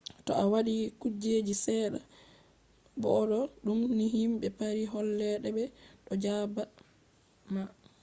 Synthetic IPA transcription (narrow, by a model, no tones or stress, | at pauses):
tɔawaɗikud͡ʒed͡ʒisɛːɗa̰ | bɔɗɔɗumniɦimɓɛpaɾiɦɔlːɛɗɛbɛɗɔd͡ʒaba | ma